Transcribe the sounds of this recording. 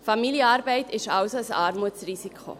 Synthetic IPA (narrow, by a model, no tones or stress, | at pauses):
familjəɑːɾbaɪtʰɪʃaʊsosɑːɾmut͡sriːsikʰo̰